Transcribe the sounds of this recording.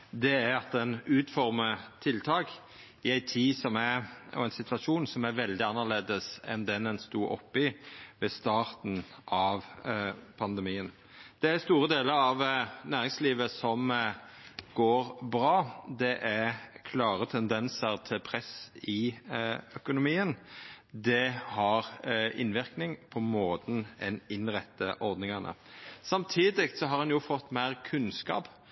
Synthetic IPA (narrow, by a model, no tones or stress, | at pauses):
d̪ɛæɾɑt̪̚d̪ɛnʉːt̪fɔɾmət̪ʰɪlt̪ʰɑːk | ɪæɪt̪ʰiːsɔmæɔ̰æɪnsɪt̪ʰʋɑʂuːnsɔmæɾʋɛld̪ɪɑnːəʁleːd̪əsɛ̰nd̪ɛnɛnst̪uːɔ̰pːɪʋɛst̪ɑːʁt̪n̩ʔɑʋ | pʰɑnd̪əmiːən | d̪̥ɛæɾst̪uːɾəd̪eːləɾɑʋnæːʁɪŋsliːʋəsɔm | ɡ̥oːɾbɾɑːd̪ɛʔækʰlɑːʁət̪ʰɛnd̪ɛnsəʁt̪ʰɪlpʰʁɛsɪ | œkʊnʊmiːənd̪ɛhɑʁɪ̰nʋɪʁknɪŋpʰɔmoːt̪n̩ɛnɪnʁɛt̪ːəʔɔɾd̪nɪŋɑnʔə̰sɑmt̪ʰiːd̪ɪk̪sɔɦɑɾhɑnjʊfɔt̪ːmæɪʁkʰʉnskɑ̰ːp